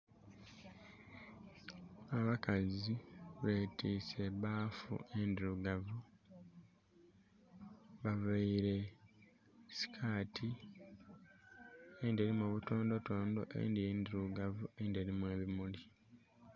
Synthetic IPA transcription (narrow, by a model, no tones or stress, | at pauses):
aβakaziβe̞tiːse̞βaːfṵe̞ndiɾuɡavu | βavaiɾe̞ | si̥kʰaːtʰi | endeɾimoːβuto̞ːndo̞to̞ːndo̞̰ʔe̞̰ndijeːndiɾuɡavue̞ndeɾimwe̞ːβimuli